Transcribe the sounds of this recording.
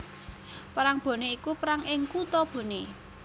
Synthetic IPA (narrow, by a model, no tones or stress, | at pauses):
pəɾaŋb̥o̤neikupɾaŋʔɪŋkut̪ɔb̥o̤ne